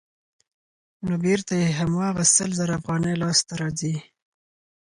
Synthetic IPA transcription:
nobeɾt̪ajeɦamwɑɣasəlzaɾaafɣɑnəjlɑst̪aɾɑzi

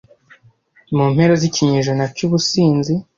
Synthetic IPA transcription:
muːmhe̞ɾoziciɲeʒonacuβusiːnzi

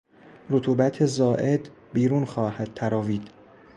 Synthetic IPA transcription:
ɾot̪ʰuːbæt̪ʰezɒːʔe̞d̪ | biːɾuːnxɒːhæd̪̥̚t̪ʰæɾɒːviːd̪̥

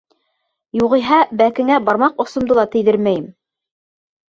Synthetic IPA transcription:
juʁɤ̆ɦɑbækɘ̆ŋæbɑɾmɑqŏsŏmd̪ɤlˠɑt̪ɘ̆jðɘɾmæjɘm

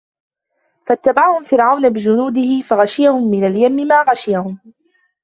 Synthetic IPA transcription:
fat̪ːabaʕahʊmfɪɾʕawnabɪd͡ʒʊnuːd̪ɪhɪfaɣaʃɪjahʊmːɪnaljamːɪmaːɣaʃɪjahʊm

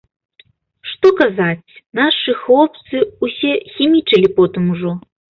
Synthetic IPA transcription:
ʂt̪ɔkazat͡sʲnaʂɨxlˠɔp̚t̪sɨusʲɛxʲimʲit͡ʂɐlʲipɔt̪ɨmuʐɔ

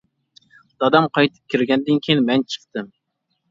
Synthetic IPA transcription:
d̪̥ɑd̪ɑmqʰɑjt̪ʰɨ̥p̚kʲʰiɾɡʲɛnd̪ɪnkʲʰijinmɛnt͡ʃʰə̥qt̪ɨm

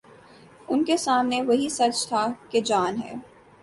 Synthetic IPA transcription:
ʊnkesaːmneʋɐɦisɐt͡ʃt̪ʰaked͡ʒaːnɦɛ̰ː

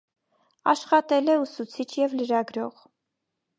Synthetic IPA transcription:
ɑ̰ʃχɑt̪ɛlɛusut͡sʰit͡ʃʰjɛvləɾɑɡɾɔʁ

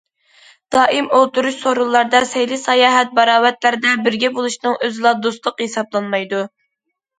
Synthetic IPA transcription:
d̪̥ɑːʔimolˠt̪uɾuʃsoɾulˠːɑɾd̪ɑsɛjlisɑjɑːɦɛt̪̚bɑɾɑːwɛt̪læɾɪd̪ɛbɪɾɡʲɛbolˠuʃnɨŋʔøzɪlˠɑd̪ost̪lˠʊqhesɑblˠɑnmɑjd̪u

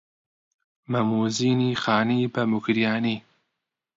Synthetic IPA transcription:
mɐmuːziːniːxaːniːbɐmukɾijaːniː

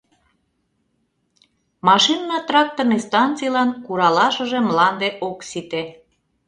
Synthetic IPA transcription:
mɑʃinːɑt̪rɑk̚t̪ornist̪ɑnt͡sijlɑnkuɾɑlɑʃə̆ʒemlɑnd̪eʔoksit̪e

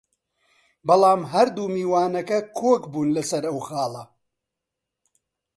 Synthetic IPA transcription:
bɐlˠɑːmɦɐɾd̪uːmiːwaːnɐkɐkʰoːkbuːnlɐsɐɾɐwxaːlˠɐ

